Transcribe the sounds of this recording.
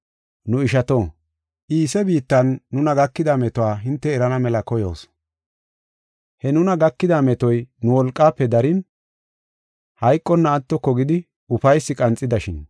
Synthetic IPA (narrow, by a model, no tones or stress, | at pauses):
nʊɪʃɐt̪oː | ʔiːsɛbiːt̪ːɐnːʊnɐɡɐkːɪd̪amɛt̪ɔwaːɦɪnt̪ːɛːɾɐnɐmɛlɐkɔjo̰ːs | hɛnʊnɐɡɐkːɪd̪amɛt̪ɔjnʊwɔlkʼːaːpːɛd̪ɐɾɪn | hɐjkʼːɔnːɐːt̪ːɔkːɔɡɪd̪ɪ | ʊfɐjsːɪkʼɐnt͡sʼːɪd̪ɐʃɪn